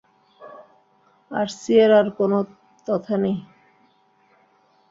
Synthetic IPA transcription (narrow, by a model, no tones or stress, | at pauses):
a̰ɾsieɾaɾkono | t̪ɔt̪ʰanej